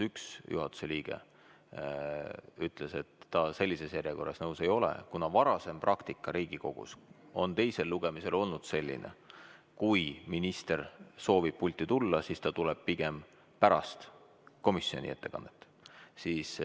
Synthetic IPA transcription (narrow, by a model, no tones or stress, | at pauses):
yksjʔṵɦɑt̪ːˑu̥se̞liːɡ̥e̞̰ | yt̪ˑle̞se̞t̪ːɑse̞lʲːise̞sjæɾjeko̞rːɑsnɤwse̞jo̞lḛkunɑvɑɾɑse̞mprʔɑkt̪ikːˑɑɾiːɡ̥iko̞̰ɡ̥ṵs | o̞nt̪e̞jse̞lːuɡ̥e̞mise̞lo̞lnud̪̥se̞lʲːḭnʔḛ | kujminist̪erso̞ːvib̥̚pulʲt̪ːˑit̪ulːɑsist̪ɑt̪ulɛb̥̚piɡ̥e̞m | pæɾɑ̰st̪ | ko̞misio̞nḭe̞t̪ːe̞kɑ̰nːet̪ːˑ | siːs